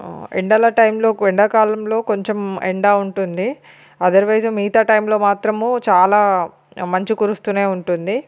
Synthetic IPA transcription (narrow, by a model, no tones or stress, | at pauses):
ḛɳɖɐlɐʈɐjmlo̞ːʋeɳɖɐkaːlɐmlo̞ːko̞ɲt͡ʃemḛɳɖaːuɳʈund̪i | ɐd̪ɐɾʋɐjsɐmiːt̪aːʈɐjmlo̞ːmaːt̪ɾɐmut͡ʃaːlaː | mɐɲt͡ʃikuɾust̪uːne̞ːuɳʈund̪i